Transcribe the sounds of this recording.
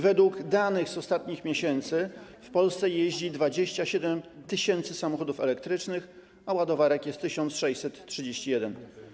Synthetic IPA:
vɛd̪wuɡd̪anɘɣzɔst̪at̪̚ɲixmʲeɕɛnt̪sɘfpɔlst̪sɛjeʑd͡ʑid̪vad͡ʑeɕt͡ɕaɕɛd̪ɛmt̪ɘɕɛnt̪sɘsamɔxɔd̪ufɛlɛk̚t̪ɾɘt͡ʂnɘx | awad̪ɔvaɾɛkjɛst̪ːɘɕɔnt̪sʂɛjt͡ɕsɛt̪tʂɘd͡ʑeɕt͡ɕijɛd̪ɛn

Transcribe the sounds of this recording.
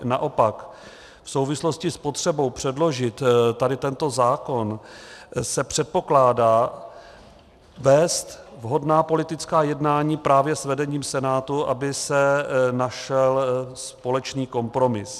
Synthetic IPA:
na̰ʔo̞pak | fso̞wvɪslo̞scɪspo̞t̪r̝̥ɛbo̞wpr̝̥ɛdlo̞ʒɪt̪t̪ːadɪt̪ɛnt̪o̞zaːko̞n | sɛpr̥ɛt̪̚po̞klaːdaː | vɛːst̪vɦo̞dnaːpo̞lɪt̪ɪt͡skaːjɛdnaːɲiːpɾaːvjɛsvɛdɛɲiːmsɛnaːt̪uʔa̰bɪsɛnaʃɛlspo̞lɛt͡ʃniːko̞mpɾo̞mɪs

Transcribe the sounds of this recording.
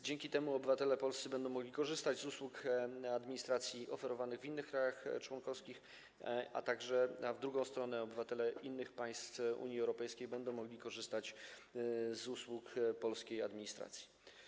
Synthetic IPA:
d͡ʑɛŋkʲit̪ɛmuɔbɘvat̪ɛlɛpɔlst̪sɘbɛnd̪ɔ̃w̃mɔɡlʲikɔʐɘst̪ad͡ʑzuswukad̪mʲiɲist̪ɾat̪sʲjiʔɔfɛɾɔvanɘɣvinːɘxkɾajaxt͡ʂwɔŋkɔfskʲix | a̰t̪aɡʐɛvd̪ɾuɡɔ̃w̃st̪ɾɔnɛɔbɘvat̪ɛlɛʔinːɘxpaj̃st̪fṵɲiɛwɾɔpɛjskʲejbɛnd̪ɔ̃w̃mːɔɡlʲikɔʐɘst̪at͡ɕ | zuswukpɔlskʲejad̪mʲiɲist̪ɾa̰t̪sʲji̥

